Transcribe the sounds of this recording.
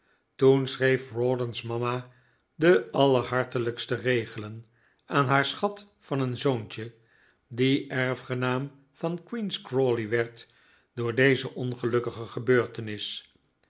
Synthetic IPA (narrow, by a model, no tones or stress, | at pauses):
tunsrejfrɔdənsmɑma | dəɑləɹɦɑɹtələkstərejχələn | aːnɦaːɹsχɑt | fɑnənzownt͡ʃə | diʔɛɹfχənaːm | v̥ɑnkwinskrɔliʋɛɹt | dʊːɹdejzəʔɔnχəlɵkəχəχəbøːɹtənɪs